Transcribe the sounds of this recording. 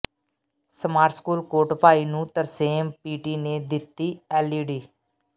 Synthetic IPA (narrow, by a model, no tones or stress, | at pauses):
səmaːɾskuːlkoːɾʈpaːiːnũːt̪əɾseːmpiːʈiːneːd̪ɪt̪ːiːɛːliːɖiː